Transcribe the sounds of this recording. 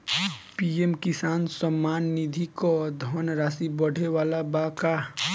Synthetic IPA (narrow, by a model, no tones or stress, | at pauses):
piemkisaːnsəmːaːnːid̪ʱikɔd̪ʱɔnɾaːsibəɽ̤ʱewaːlabaka